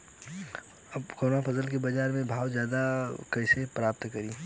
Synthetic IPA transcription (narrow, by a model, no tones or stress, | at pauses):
ɐbkoːnapʰɐzəlk̬ebɐd͡ʒaːɾmẽbʱaːʊzjaːd̪akɛɪsepɾaːp̚t̪kɐɾĩː